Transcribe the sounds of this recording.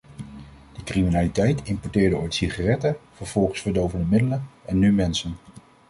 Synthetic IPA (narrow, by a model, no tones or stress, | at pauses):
d̥əkriminaːlitɛjtɪmpɔɹtɪːɹdəɔjtsiχaːrɛtəv̥əɹv̥ɔlˠχəsfəɹdowvəndəmɪdələnɛnːymɛnsən